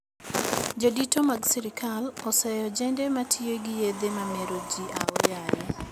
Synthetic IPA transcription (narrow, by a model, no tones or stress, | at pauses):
d͡ʒoditomaɡsiɾikʰalɔsɛjɔd͡ʒɛndɛmatʰieɡɪjed̪emameɾod͡ʒiʔaɔjajɛ